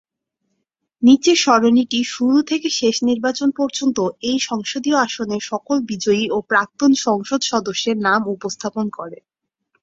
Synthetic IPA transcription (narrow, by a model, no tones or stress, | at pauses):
nit͡ɕeʃɔɾoniʈiʃuɾut̪ʰekeʃeʃniɾbat͡ɕonpɔɾd͡ʑont̪oejʃɔŋʃod̪ioaʃoneʃɔkolbid͡ʑoiopɾak̚t̪onʃɔŋʃod̪ʃɔd̪oʃːeɾnamupost̪ʰaponkɔɾe